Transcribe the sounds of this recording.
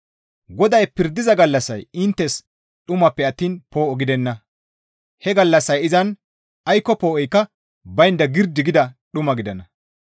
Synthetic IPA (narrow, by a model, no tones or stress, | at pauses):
ɡɔd̪ɐjpɪɾd̪ɪzɐɡɐlːɐsːɐ̰jɪnt̪ːɛs | ɗʊmɐpːɛɐt̪ːiːnpo̞ːɔɡɪd̪ɛnːɐ | hɛɡɐlːɐsːɐjɪzɐn | ɐjkːɔpoːʔɔjkːɐ | bɐjnd̪ɐɡɪɾd̪ɪɡɪd̪ɐɗʊmɐɡɪd̪ɐnɐ